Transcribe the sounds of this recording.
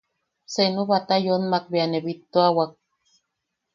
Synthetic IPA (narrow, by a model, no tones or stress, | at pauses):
senuβat̪ajonmak̚bianeβit̪ːoawak̚